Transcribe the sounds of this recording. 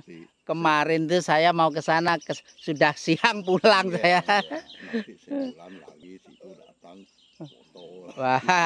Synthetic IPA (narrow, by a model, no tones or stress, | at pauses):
kəmaɾɪnt̪usajamauk̬əsanakə | sudahsiaŋpulaŋsaja | wah